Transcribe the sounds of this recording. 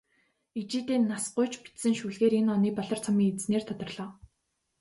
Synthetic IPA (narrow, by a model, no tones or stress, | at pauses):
it͡ɕiːt̪eːnːasɢʊjt͡ɕpi̥t̪sɘ̆ŋʃuɮɣeːɾenɔniːpɔɮɞ̆r̥t͡sʰɔmiːŋet͡sneːrt̪ʰɔt̪ɞ̆rɮ̥ɔː